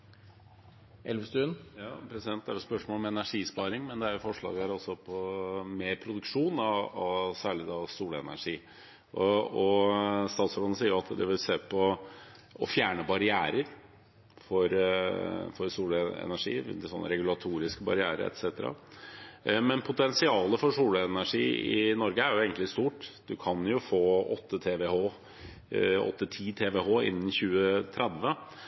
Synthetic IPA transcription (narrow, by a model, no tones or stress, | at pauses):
ʔɛlʋəst̪ʉːənjɑ̰ːpʰɾɛsɪd̪ɛnt̪d̪æɾʋɛlspœʂmoːlɔmɛnæʂiːspɑːɾɪŋmɛnd̪ɛæɾjfɔʂɭɑ̰ːɡəæɾɔsɔpʰɔmeːɾpʰɾʊd̪ʉkʂuːnɑɑsæːɭɪd̪ɑsuːlɛnæ̰ʂiː | ɔɔst̪ɑːt̪sɔʋlɑnəsiːɾʊɑt̪d̪ɛʋɪlseːpʰɔ | ɔ̰fjæːɳəbɑɾɪæːɾəɾ | fɔɾ | fɔɾsuːləɛ̰næʂḭːsɔ̰nːə̰ɾɛɡʉlɑt̪ʰuːɾɪskəbɑ̰ɾɪæːɾə̰ɾɛ̰t̪sɛːt̪əɾɑ̰ | mɛnpʰʊt̪ɛnsɪɑːləfɔɾʂuːləɛnæʂiːɪ̰nɔɾɡəæɾjʊeːɡənlɪst̪uːʈd̪ʉkʰɑnjʊfoːɔt̪ːət̪ʰeːʋɛhoː | ɔ̰t̪ːət̪ʰiːt̪ʰeːʋɛhoːɪ̰nːn̩çʉːət̪ʰɾɛd̪ʋə